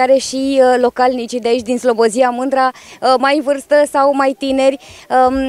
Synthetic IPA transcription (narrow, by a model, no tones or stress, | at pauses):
aɾe̞ʃilo̞kalnit͡ʃid̪eait͡ʃʲd̪inslo̞boziamɨnd̪ɾamajvɨrst̪əsawmajt̪ine̞rʲə